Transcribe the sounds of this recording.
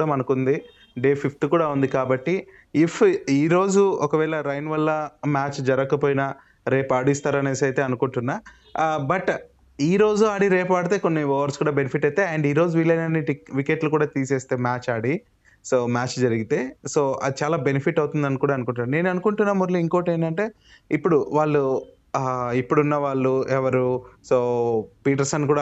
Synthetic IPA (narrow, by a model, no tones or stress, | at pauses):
ɽɐmɐnukund̪i | ɖeːpʰipʰʈkuːɽaːund̪ikaːbɐʈːiː | pʰiːɾo̞ːd͡ʒuɔkɐʋɛːɭɐɾɐjnʋɐlːɐmaːt͡ʃd͡ʒɐɾɐkɐpoːjnɐ | ɾe̞ːpaːɽist̪aːɾɐneːsɐjt̪e̞ːɐnukuɳʈunːaː | bɐʈ | iːɾo̞ːd͡ʒuaːɽiɾeːpaːɽit̪e̞ːko̞nːiɔːʋɐɾskuːɽaːbenipʰiʈːɐjt̪e̞ːɐɳɖiːɾoːd͡ʒuʋilɐjnɐnːiʈiʋikeʈlukuːɽaːt̪iːseːst̪e̞ːmaːt͡ʃaːɽi | so̞ːmaːt͡ʃd͡ʒɐɾiɡit̪e̞ːso̞ːɐ̰d̪it͡ʃaːlaːbenipʰiʈːɐwt̪und̪ɐnkuːɽaːɐnukuɳʈunːɾne̞ːnɐnukuɳʈunːaːmuɾlɐiŋkoːʈeːnɖɐɳʈe̞ː | ipːuɽuʋaːɭːu | ipːuɽunːɐʋaːɭːuɛʋɐɾusoːpiːʈ̬ɐɾsɐnkuːɽaː